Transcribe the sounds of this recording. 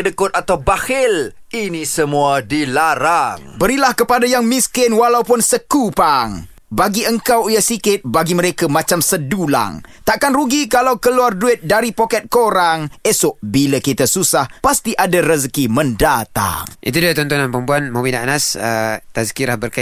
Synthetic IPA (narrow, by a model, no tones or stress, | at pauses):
dəkʊt̪̚at̪awbahɪl | inisəmuadilaɾaŋbəɾilahkəpadajaŋmiskɪnwalaupʊnsəkupaŋ | baɡiəŋkawijasikɪt̪̚baɡiməɾekamãt͡ʃamsədula̰ŋt̪aʔkanruɡikalawkəluarduɪt̪̚daɾipokɛt̪̚koɾaŋesʊʔʔbilakit̪asusahpast̪iʔadaɾəzkimə̃ndat̪a̰ŋʔḭt̪udaat̪ɔnt̪ɔnanpəmpuanmaminaʔnasət̪azkiɾahbərka